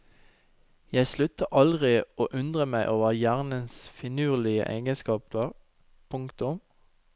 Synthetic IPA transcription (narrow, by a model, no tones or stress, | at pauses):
jæɪslʉt̪əʔɑld̪ʁɪoːʔʉnd̪ʁəmæɪʔoːʋəʁjæːʁnənsfɪnʉːʁlɪə̰ʔḛɪɡənskɑːpəʁ | pʰʊŋkt̪ʊm